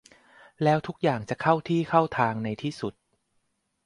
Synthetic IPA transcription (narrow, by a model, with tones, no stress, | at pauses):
lɛː˦˥wt̪ʰu˦˥k̚jaː˨˩ŋt͡ɕa˨˩kʰa˥˩wt̪ʰiː˥˩kʰa˥˩wt̪ʰaː˧ŋna˧jt̪ʰiː˥˩su˨˩t̪̚